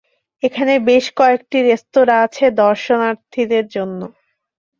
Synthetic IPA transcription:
ekʰanebeʃkɔek̚ʈiɾest̪oɾaat͡ɕʰed̪ɔɾʃonaɾt̪ʰid̪eɾd͡ʑonːo

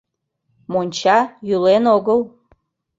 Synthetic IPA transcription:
monʲt͡ɕɑjylenoɣəl

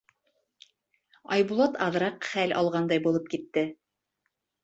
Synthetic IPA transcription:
ɑjβulˠɑt̪ɑðɾɑqχælɑ̰lˠʁɑnd̪ɑjbulˠɤp̚kit̪ːɘ

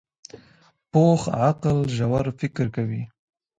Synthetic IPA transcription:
poxʕaqlʒawaɾfɪkɾkawi

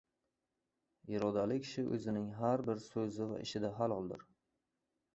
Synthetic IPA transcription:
jɪɾɒd̪alɪkʲʰɪ̥ʃɪʔɵ̰zɪnɪŋɦaɾbɪɾsɵzɪva̰ʔɪ̰ʃɪd̪aɦalˠɒlˠd̪ɪ̰ɾ

